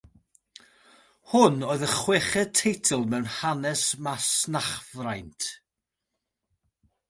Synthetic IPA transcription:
hʊnoːɨðəχwɛχɛd̚tʰejtʰəlˠmɛwnhanɛsmasnaχvrajntʰ

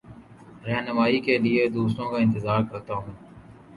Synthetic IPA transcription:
ɾɛɦnəmaːiːkelɪeːd̪uːst̪õːkaːɪ̃nt̪ɪzaːɾkɐɾt̪aːɦũː

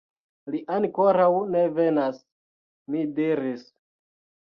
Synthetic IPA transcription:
liʔaŋko̞ɾawne̞ve̞nas | midiɾis

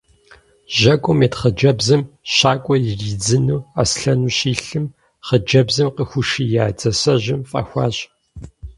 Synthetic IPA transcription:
ʒɐkʷʼʊmeːtχəd͡ʒɐbzɨmɕaːkʷʼɔjɪriːd͡zɨnuːa̰ːsɬɐnuːɕiːɬɨm | χəd͡ʒɐbzɨmqəxʷʊʂiːjaːd͡zɐsɐʑɪmfʼɐ̰ːxʷɑːɕʼ

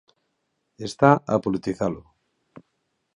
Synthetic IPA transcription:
e̞st̪aapolit̪iθalo

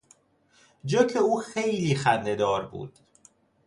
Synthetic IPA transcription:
d͡ʒokʰeuːxejliːxænd̪ed̪ɒːɾbṵːd̪̥

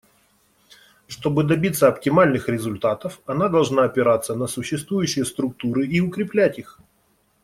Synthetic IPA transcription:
ʂt̪o̞bɨd̪ɐbʲit̪sːəɐptʲɪmalʲnɨxɾʲɪzʊlʲt̪at̪əfɐnad̪ɐlˠʐnaɐpʲɪɾat̪sːənəsʊɕːɪst̪vujʉɕːɪjəst̪ɾʊk̚t̪uɾɨʔiʊkɾʲɪplʲætʲix

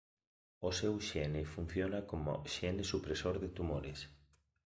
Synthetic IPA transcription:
osewʃɛnefun̟θjonakomo̰ʃɛnɪsupɾesoɾðɪt̪umoɾes

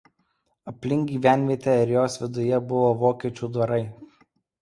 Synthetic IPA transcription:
ɐpʲlʲɪŋʲɡʲiːʋʲæˑnʲʋʲiɛt̪ʲeɪɾjoːsʋʲɪd̪ʊjɛbʊʋoːʋoːkʲiɛt͡ʃʲuːd̪ʋɐɾɐɪ

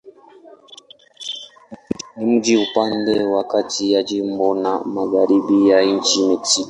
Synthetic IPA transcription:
nimud͡ʒiupandewakatijad͡ʒimbonamaɡaɾiɓijaint͡ʃineti

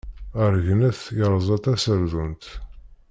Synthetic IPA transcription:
əɾʝnæθjəɾˤzˤɑt̪æsəɾðunt̪

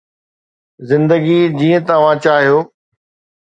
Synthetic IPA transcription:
zɪ̃nd̪əɡid͡ʑiːə̃t̪ɐʋ̤ãt͡ɕaːɦijoː

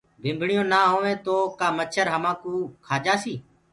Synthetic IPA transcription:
bʱɪ̃ːmbʱɳɪjõːnaːɦoːʋẽːt̪oːkaːmət͡ʃʰəɾɦəmãːkuːkʰaːd͡ʒaːsiː

